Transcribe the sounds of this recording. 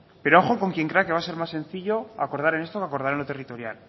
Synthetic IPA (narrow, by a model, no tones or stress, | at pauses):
pe̞ɾooxo̞ko̞ŋkje̞ŋkɾe̞akeβase̞ɾmasːe̞nθiʎo̞ako̞ɾð̞aɾe̞nest̪o̞kako̞ɾðaɾenlot̪e̞rit̪o̞ɾja̰l